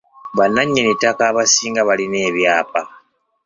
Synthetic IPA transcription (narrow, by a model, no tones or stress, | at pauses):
βanːaɲːenitːakaːβasiːŋɡaβaline̞ːβjaːpa